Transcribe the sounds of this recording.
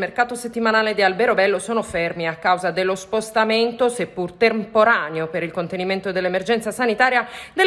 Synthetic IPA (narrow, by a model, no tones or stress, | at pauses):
merkaːt̪oset̪ːimanaːled̪ialbeɾobɛlːosoːnofermiakːawzad̪elːospost̪ament̪osepːurt̪empoɾaːneopeɾilkont̪eniment̪od̪elːemerd͡ʒɛnt̪sasanit̪aːɾjad̪e